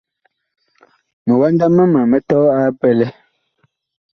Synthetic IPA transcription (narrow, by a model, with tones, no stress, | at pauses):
mɛ˨wa˦nda˦mɛ˦ma˨mɛ˦tɔː˦a˦pɛ˦lɛ˦